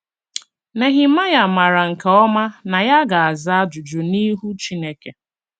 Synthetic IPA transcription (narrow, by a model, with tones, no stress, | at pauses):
ne˨ɦɪ˨ma˦ja˨ma˨ɾa˨ŋ̩˨ka˨ɔ˦ma˦na˨ja˦ɡa˨a˨za˦a˦d͡ʒʊ˨d͡ʒʊ˨ni˦ɦu˦t͡ʃi˦ne˦ke˨